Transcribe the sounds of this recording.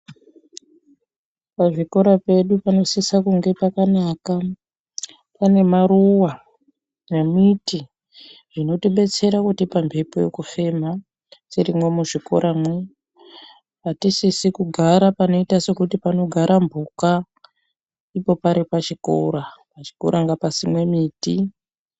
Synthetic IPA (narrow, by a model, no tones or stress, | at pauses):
paʐiko̞ɾape̞ɗupano̞sisakuŋɡe̞pakanaːka | pane̞maruwa | nemiti | ʐ̥ino̞tiɓe̞t͡se̞ɾakutipambʱepoje̞̰kufe̞ma | siɾimwe̞muʐiko̞̰ɾamwe | atisisikuɡʱaɾapano̞itase̞kutipano̞ɡʱaɾambuka | ipo̞paɾipat͡ʃiko̰ɾapat͡ʃi̥ko̞̰ɾaŋɡapasimwe̞miːti